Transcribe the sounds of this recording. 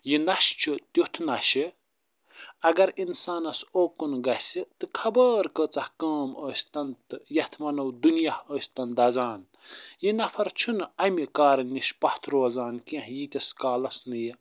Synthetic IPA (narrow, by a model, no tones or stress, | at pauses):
jinɐʃt͡ʃʰut̪uht̪ʰnɐʃi | ɐɡɐɾinsaːnɐsoːkunɡɐhsit̪ɨkʰɐbəːɾkəːt͡sɐhkɐːməːsʲt̪ɐnt̪ɨjɐht̪ʰmɐnɐwd̪unjahəːsʲt̪ɐnd̪ɐzaːn | jinɐpʰɐɾt͡ʃʰunɐmikaːɾɐniʃpɐht̪ʰɾoːzaːnkẽɦjit̪ʲɐskaːlɐsnɨji